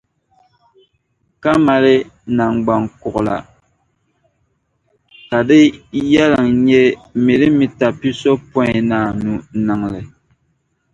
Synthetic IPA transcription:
ka˦ma˨lɪ˦na˨ŋɡ͡ba˨ŋkʊ˨ʔʊ˨la̰˨ | ka˨dɪ˦ja˦la˨ŋɲɛ˦mi˨ɾɨ˦mi˦ta˨pi˦so˦pɔ˦ɪ˨naː˨nu˨˦nɨ˨ŋ˨lɨ˨

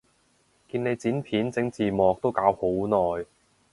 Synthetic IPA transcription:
kiː˧ne˨˧jt͡siː˨˥npʰiː˨˥nt͡sɪ˨˥ŋt͡siː˨˩mɔː˨k̚t̪o˥wkaː˨˥who˨˥wnɔː˨j

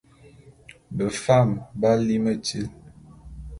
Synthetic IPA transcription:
bə˨fa˦˨mba˦li˦mə˦˨ti˦l

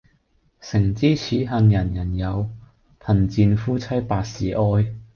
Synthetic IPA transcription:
sɪ˨˩ŋt͡siː˥t͡sʰiː˨˥ɦɐ˧njɐ˨˩njɐ˨˩njɐ˨˧w | pʰɐ˨˩nt͡siː˧nfuː˥t͡sʰɐ˥jpaː˧k̚sḭː˨˩ʔɔː˥j

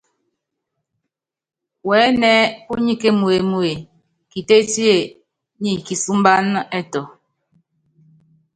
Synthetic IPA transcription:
wɛː˨˦nɛ˦u˦ɲi˦ke˦mu˨e˨mu˦e˨ | ki˨te˦ti˦e˨ | ni˦˨ki˨su˦m˦ba˦n˦ɛ˦tɔ˨

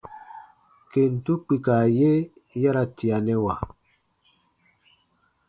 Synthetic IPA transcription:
ke˨n̩˨tu˦k͡pi˨ka˨je˦ | ja˦ɾa˦ti˨a˨nɛ˦wa˨

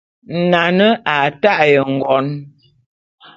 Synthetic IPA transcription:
na˨nə˦a˨ta˦ʔjə˨ŋ̩˨ɡɔ˨˦n

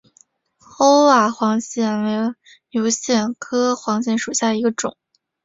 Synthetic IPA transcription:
o˥ʊwa˨˩xwɑ˧˥ŋɕjɛ˥˩nwe˧˥ | ljo˧˥ʊɕjɛ˥˩nkʰɤ˥xwɑ˧˥ŋɕ̬jɛ˧˥nʂu˨˩ɕja˥˩d̪ə˩i˧˥ɡə˧ʈ͡ʂʊ˨˩˦ŋ

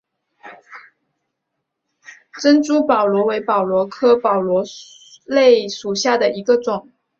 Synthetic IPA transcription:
ʈ͡ʂə˥nt͡su˥pɑ˨˩ʊlwɔ˧˥we˧˥ɪpɑ˨˩ʊlwɔ˧˥kʰɤ˥pɑ˨˩ʊlwɔ˧˥ | le˥˩ɪʂu˨˩ɕja˥˩d̪ə˩i˧˥ɡə˧ʈ͡ʂʊ˨˩˦ŋ

